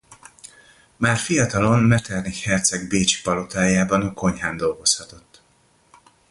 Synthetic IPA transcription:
maːrfijɒt̪ɒlo̞nmɛt̪ɛrnihɛrt̪sɛɡbeːt͡ʃi̥pɒlo̞t̪aːjaːbɒnɒko̞ɲɦaːnd̪o̞lɡo̞shɒt̪o̞t̪ː

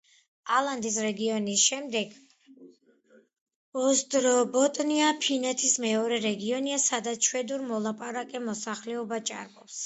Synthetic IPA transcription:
alˠand̪is̬ɾɛɡiɔnisʃɛmd̪ɛɡ | ɔsd̪ʼɾɔbɔt̪ʼɔniapʰinɛt̪ʰismɛɔɾɛɾɛɡiɔniasad̪at̪sʃʰwɛd̪uɾmɔlˠapʼaɾakʼɛmɔsaχlɛɔbat͡ʃʼa̰ɾmʼɔps

